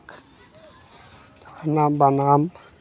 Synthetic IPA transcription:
k | anambanam

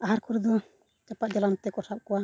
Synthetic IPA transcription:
aɦaɾkʰuɾd̪ɔ | t͡ʃapaʔd͡ʒɛlant̪ɛkɔsap̚kɔwa

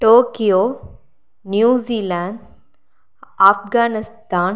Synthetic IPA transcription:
ʈoːkijo | njuːziːlãːɳɖ | afɡaːnɪst̪aːn

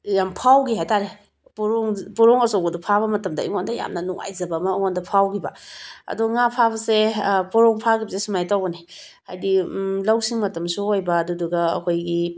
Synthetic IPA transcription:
jampʰawɡiɦajtaɾe | poɾoŋpɔɾɔŋɐsɔɡɐdupʰaβɐmɐtɐmda̰ḭŋondaja̰mnɐnuŋa̰jzɐbɐmaiŋondɐpʰawɡibaɐ̰duŋapʰaβɐsepoɾɔŋpʰakibɐsesumajtawɡɐni | hajdilawsiŋmɐtɐmsuhojbɐːduduɡɐɐ̰kʰojɡi

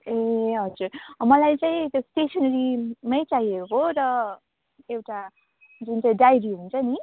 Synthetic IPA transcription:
eɦʌd͡zurmʌlajt͡saĩt̪josʈesʰʌnʌɾimʌjt͡saiekkoɾʌ | ewʈa | d͡zunt͡saĩɖajɾiɦunt͡sʰʌni

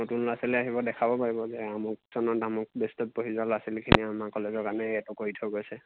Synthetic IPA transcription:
notunlasilɛaɦibɔdɛkʰabɔpaɹibɔzɛamɔk̚z̥ɔnɔdamɔk̚bestɔt̚poɦizɔlasilkʰiniamakɔlezɔkanɛːtukoɹitʰɔɡojsɛ

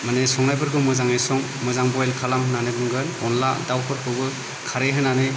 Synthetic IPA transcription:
manesɔŋnajbɯɾkʰɯmɯzaŋajsɔŋ | mɯzaŋbɔjlkʰalaŋɦɯnanɯbɯŋɡɯnɔnla̰dawpʰɯɾkʰɯbɯ | kʰaɾeɦɯnanɯ

